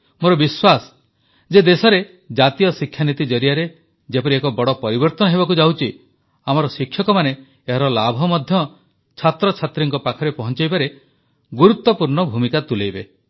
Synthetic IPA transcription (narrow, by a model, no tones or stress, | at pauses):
moɾɔbiswas | d͡ʒed̪esɔɾe | d͡ʒat̪ijɔsikʰːjanit̪id͡ʒɔɾijaɾe | d͡ʒepɔɾiekɔbɔɽɔpɔɾibɔɾt̪ɔnɔɦebɔkud͡ʒawt͡ʃʰi | amɔɾɔsikʰjɔkɔmane | eɦaɾɔlabʱɔmɔd̪ʱjɔ | t͡ʃʰat̪ɾɔt͡ʃʰat̪ɾiŋkɔpakʰɔɾepɔɦɔnt͡ʃajbaɾe | ɡuɾut̪ːɔpuɾɳɔbʱumikat̪ulejbe